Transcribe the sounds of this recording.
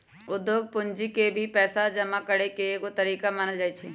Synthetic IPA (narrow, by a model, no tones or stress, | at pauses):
ʊd̪ːjoːɡ̚pʊnd͡ʒikebʱipɛːsad͡ʒɐmakəɽekekot̪ɐɾiːkamaːnəld͡ʒaːit͡ʃʰɛː